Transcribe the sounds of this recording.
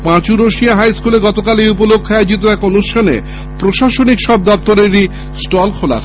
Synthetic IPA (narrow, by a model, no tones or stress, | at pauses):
pãt͡ɕuɾoʃiaɦajskuleɡɔt̪okalejup̬olokʰːoajed͡ʑit̪oɛkonuʃʈʰanḛ | pɾoʃaʃonikʃɔb̚d̪ɔp̚t̪oɾeɾi | sʈɔlkʰola̰ɾ